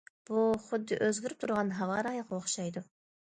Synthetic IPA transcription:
b̥uχʊd̪ːɪʔøzɡʲyɾyp̚t̪ʰuɾʁɑnɦɑvɑɾɑjqoχʃɑjd̪u

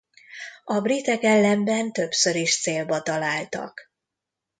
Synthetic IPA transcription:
ɒbrit̪ɛkɛlːɛmbɛnt̪ø̞psø̞ɾiʃt̪seːlbɒt̪ɒlaːlt̪ɒ̰k

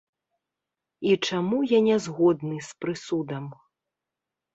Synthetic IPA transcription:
it͡ʂamujanʲɛzɣɔd̪nɨspɾɨsud̪ɐm

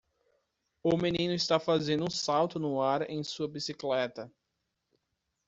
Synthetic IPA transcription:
ʊmenĩnʊist̪afazẽnd̪ʊũsawt̪ʊnʊaɾḛ̃j̃suɐbisiklɛt̪ɐ

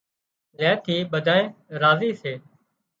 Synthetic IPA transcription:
lɛːt̪ʰiːɓəd̪ʱaːeːɾaːziːseː

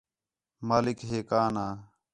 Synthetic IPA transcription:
maːlɪkɦeːkaːnaː

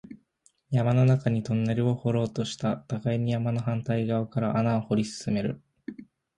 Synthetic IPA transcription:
jamano̞nakaɲ̟it̪o̞nːe̞ɾɯ̟o̞ho̞ɾo̞ːt̪o̞ɕi̥t̪at̪akaiɲ̟ijamano̞ɦãnt̪aiɡaokaɾaʔanaoho̞ɾʲisɨ̥sɨme̞ɾɯ̟

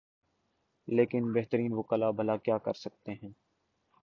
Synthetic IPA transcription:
leːkɪnbɛɦt̪əɾiːnʋokəlabʱɐlakjaːkɐ̰ɾsɐk̚t̪eɦɛ̃ː

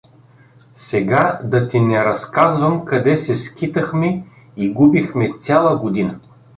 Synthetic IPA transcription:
sɛɡad̪ɐt̪inɛɾɐskazvəmkɐd̪ɛsɛskit̪əxmɛ | iɡubixmɛt̪t͡ssʲalˠəɡod̪inə

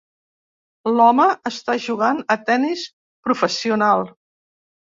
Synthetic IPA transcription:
lɔməəst̪aʒuɣ̞anət̪ɛnis | pɾufəsiunalˠ

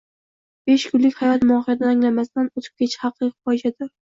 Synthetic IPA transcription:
b̥e̞ʃkʰʊlːɪkʲhajɒt̪mʊɒχijad̪anaŋlamast̪anot̪ʰɪ̥p̚kʲʰet͡ʃʰɪ̥hɑqʰɨqfɒjd͡ʒad̪ɪɾ

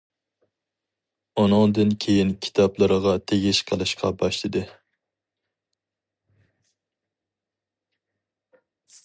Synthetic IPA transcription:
onʊŋd̪ɨnkʲʰejinkʲʰi̥t̪ʰɑplˠɨɾəʁɑt̪ʰeɡʲiʃqʰəlˠɨʃqʰɑbɑʃlɨd̪ɨ

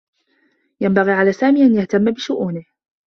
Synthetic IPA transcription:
jambaɣiːʕalaːsaːmiːʔanjaht̪amːabɪʃʊʔuːnɪh

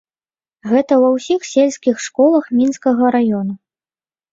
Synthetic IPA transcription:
ɣɛt̪ɐwɐwsʲixsʲelʲsʲkʲixʂkɔlˠɐxmʲinskɐɣɐɾajɔnu

